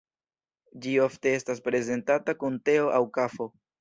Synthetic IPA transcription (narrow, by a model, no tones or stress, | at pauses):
d͡ʒio̞fte̞e̞staspɾe̞ze̞ntatakunte̞o̞ʔawkafo̞